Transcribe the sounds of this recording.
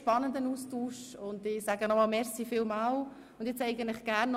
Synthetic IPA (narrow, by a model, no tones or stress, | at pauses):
pɑnːəndənuːstuːʃʊndɪsæɡənɔmɑːlmɛɾsifɪːlmɑːl | ʊnd̥jɛt͡sɛɪɡən̩tlɪχɡ̥æːɾnː